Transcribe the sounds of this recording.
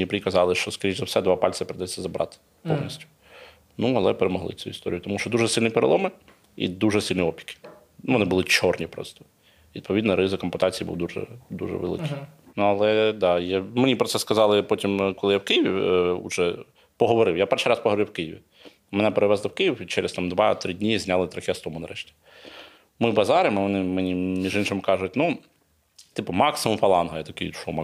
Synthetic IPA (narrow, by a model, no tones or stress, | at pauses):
nʲipɾʲikɐzɑlˠɪʃt͡ʃɔskɐɾʲit͡ʃʲzɐwsɛd̪ʋɑpɑlʲsɪpeɾɪd̪ɛt͡sʲːɐzɐbɾɑ̰t̪ɪ̥ | pɔ̰wnʲisʲtʲʊ̥ | nuɐlˠɛ̰peɾemɔɦlˠɪ̰t͡sʲujṵist̪ɔɾʲijʊt̪ɔmuʃt͡ʃɔd̪uʒɛsʲilʲnipeɾḛlˠɔmɪ | ḭd̪uʒɛsʲilʲnʲiɔpʲi̥kɪ̥ | nuʋɔnɪbʊlˠɪt͡ʃɔrnʲipɾɔ̰st̪ɔ̥ | ʋʲid̪̚pɔʋʲid̪nɐɾɪzɪkɐmpʊt̪ɑt͡sʲijibṵwd̪uʒɛ̰d̪ṵʒɛ̰ʋḛlˠɪ̰kɪnuɐlˠɛd̪ɑjɛmenʲipɾɔt̪sɛskɐzɑlˠɪpɔtʲimkɔlˠɪjawkɪjiʋʲiṵʒɛ | pɔɦɔʋɔɾɪwjapɛrʃijɾɑspɔɦɔʋɾɪwkɪjɪʋʲḭ | mɛnɛpeɾɪʋɛzlˠɐwkɪjiwit͡ʃɛɾɛst̪ɑmd̪ʋɑt̪ɾɪdʲnʲizʲnʲalˠɪt̪ɾɐxʲɪst̪ɔmʊnɐɾɛʃtʲi̥ | mɪbɐzɑɾɪmɪʋɔnɪmenʲimʲiʒɪnʃɪmkɑʐʊtʲnu | t̪ɪpʊmɑksɪmʊmfɐlˠɑnɦɐjat̪ɐkɪjʃumɐ